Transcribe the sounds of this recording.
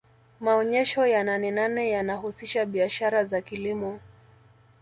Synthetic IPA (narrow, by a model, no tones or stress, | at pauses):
maɔɲɛʃɔjananɛnanɛjanahusiʃaɓiaʃaɾazakilimɔ